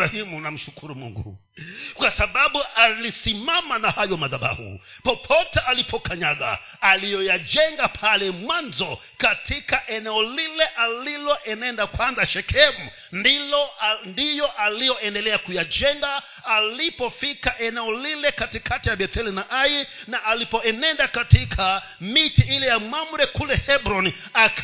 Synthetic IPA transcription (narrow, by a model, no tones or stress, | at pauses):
ahimunam̩ʃukʰuɾumṵŋɡṵ | kwasaɓaɓuʔalisimamanahajɔmaðaɓa̰hṵpɔpʰɔtɛʔalipʰɔkaɲaɡa̰ | alijɔjad͡ʒɛŋɡapʰalɛmwanzɔ | katʰikaʔɛnɛɔlilɛʔalilɔʔɛnaɛndakwanzaʃɛkʰɛmu | ndilɔndijɔʔalijɔɛndɛlɛakujad͡ʒɛŋɡaː | lipɔfikaʔɛnɛɔlilɛkatikʰatijaɓɛt̪ɛlinaʔainaʔalipɔɛnɛndakatikʰa | mitiilɛjamamuɾɛkulɛhɛbɾɔni | akʰ